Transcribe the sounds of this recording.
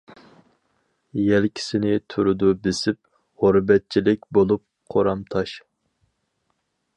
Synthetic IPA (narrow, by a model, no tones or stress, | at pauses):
jɛlkʲʰi̥sɪnɪt̪ʰuɾud̪ubɪsɪp̚ | ʁoɾbɛt̪̚t͡ʃʰilɪkʲbolˠup̚ | qʰoɾɑmt̪ʰɑʃ